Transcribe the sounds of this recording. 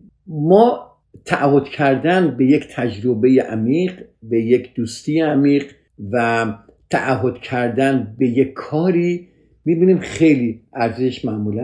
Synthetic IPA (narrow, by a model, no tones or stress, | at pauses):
mɒː | t̪ʰæʔæho̞d̪̥cʰæɾd̪ænbe̞ject̪ʰæd͡ʒɾobe̞jeʔæmiːɢbe̞jecʰd̪̥uːst̪iːjeæmiːɢ | væ | t̪ʰæʔːɦo̞d̪̥cʰæɾd̪ænbe̞jekʰːɒːɾiː | miːbiːniːmxe̞jliːʔæɾzeʃmæʔmuːlæ